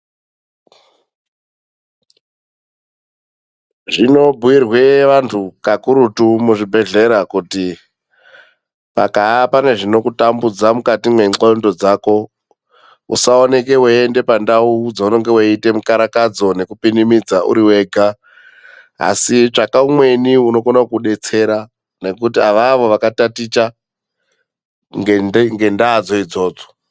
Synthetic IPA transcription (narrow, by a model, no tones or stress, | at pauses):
ʐino̞bʱuwirwe̞ʋantʰukakuɾutumuʐibʱe̞ɮe̞ɾakuti | pa̰kapane̞ʐino̞kutambud͡zamukatimweŋ͡ǀondo̞d͡zaːko̞ | ṵsaone̞ke̞weende̞pandaud͡zauno̞ŋɡe̞weite̞mukaɾakad͡zo̞ne̞kupinimid͡zaʔṵɾiwe̞ːɡʱa | a̰sit͡ʂakaumwe̞niuno̞konakuɗe̞t͡se̞ɾa | ne̞kutiaʋaʋo̞ʋakatatit͡ʃa | ŋɡeŋɡe̞ndaːd͡zo̞id͡zo̞ːd͡zo̥